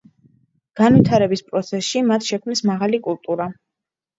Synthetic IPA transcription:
ɡ̥anvit̪ʰaɾɛbispʼɾɔt̪sʰɛsʃimat̪ʰʃɛkʰmnismaʁalikʼulˠt̪ʼuɾa

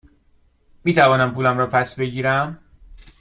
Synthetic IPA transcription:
miːt̪ʰævɒːnæmpʰuːlæmɾɒːpʰæsbe̞ɟiːɾæm

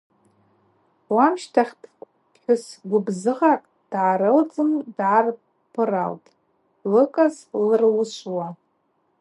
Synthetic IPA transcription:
wamʃtʰaχʲtʰʷ | ħʷᶣʊsɡʷʊbzɨʁakʼ | d̥ʕaːɾɨld͡zɨmdʕar | pʰɨra̰ltʼ | lɨkʼaz | lɨrlɨʃʷwa

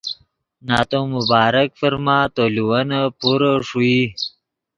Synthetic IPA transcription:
naːt̪õmubaːɾəkfəɾmaːt̪oluwanapuɾəʂui

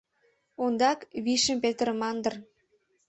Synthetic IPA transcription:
ond̪ɑkβiʃəmpet̪əɾəmɑnd̪ə̆r

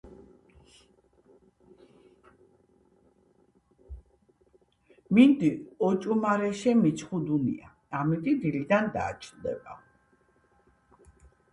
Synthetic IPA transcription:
mind̪iɔt͡ʃʼumaɾɛʃɛmit͡ʃʰχud̪unḭa | amit̪ʼid̪ilid̪and̪a̰ːt͡ʃʼnd̪ɛ̰ba̰

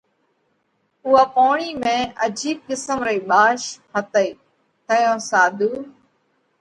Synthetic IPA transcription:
ʊːaːpoːɳiːmẽːʔəd͡ʒiːkkɪsəmɾeːɓaːʃpʰət̪əiː | t̪əjõːsaːd̪ʱuː

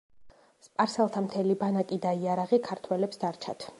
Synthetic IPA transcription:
spʼaɾsɛlˠt̪ʰamt̪ʰɛlibanakʼid̪aiaɾaʁikʰaɾt̪ʰwɛlɛpsd̪aɾt͡ʃʰat̪ʰ

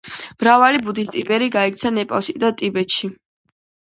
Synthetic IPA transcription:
mɾavalibud̪ist̪ʼibɛɾiɡaɛk̚t̪sʰanɛpʼalˠʃid̪at̪ʼibɛt̪ʃi

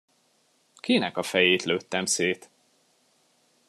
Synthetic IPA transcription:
kinɛkɒfɛjeːt̪løːt̪ːɛmseːt̪

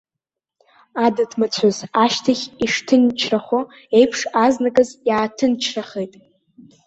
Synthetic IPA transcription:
adɨtʰmat͡ɕʷʰazaʃtʰaχʲiʂtʰɨnt͡ʃʰraχo | e̞jpʰʂaznakʼɨzjaːtʰɨnt͡ʃʰraχejtʼ

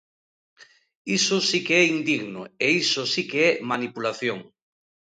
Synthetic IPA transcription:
isosikeɛind̪iɣnoeisosikeɛmanipulaθjoŋ

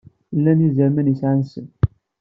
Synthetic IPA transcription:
lːænizæɾmænisʕansən

